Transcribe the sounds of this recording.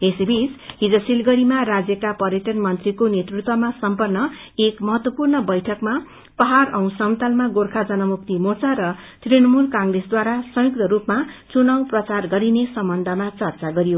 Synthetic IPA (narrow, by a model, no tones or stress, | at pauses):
esibʱisɦid͡zʌsilɡʌɾimarad͡zjʌkapʌɾjʌʈʌnmʌnt̪rikonet̪rut̪wʌmasʌmpʌrnːʌ | ekmʌɦʌt̪wʌpurnʌbʌjʈʰʌkma | pʌɦarʌw̃sʌm̃t̪almaɡorkʰad͡zʌnʌmukt̪imot͡saɾʌ | t̪rinʌmulkaŋɡresd̪waɾasʌjuk̚t̪ʌɾupmat͡sunawprʌt͡sarɡʌɾinesʌmbʌnd̪ʱʌmat͡sʌrt͡saɡʌɾijo